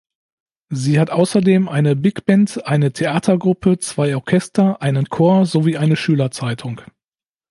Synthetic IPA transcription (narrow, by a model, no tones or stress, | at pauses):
ziːhatʔaʊsɐdeːmʔaɪnəbɪkb̥ɛntʔaɪnətʰeʔaːtʰɐɡʁʊpʰət͡sv̥aɪɔɐkʰɛstɐʔaɪnənkʰoːɐzoviːʔaɪnəʃyːlɐt͡saɪtʰʊŋ